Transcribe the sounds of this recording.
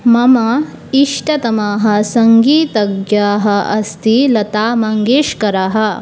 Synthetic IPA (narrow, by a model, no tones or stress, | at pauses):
mɐmɐ | iʂʈɐt̪ɐmaːɦɐ̆sɐŋɡiːt̪ɐɡjaːɦɐɐst̪ʰilɐt̪aːmɐŋɡeːʃkɐɾaɦɐ̆